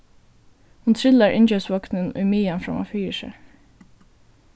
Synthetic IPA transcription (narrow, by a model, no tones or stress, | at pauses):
hʊnt̪ʰɾɪlaɹʔɪ̰ɲt͡ʃœsʋɔknənʊ̰jmiːanfɹa̰ma̰fyːʃɛ̰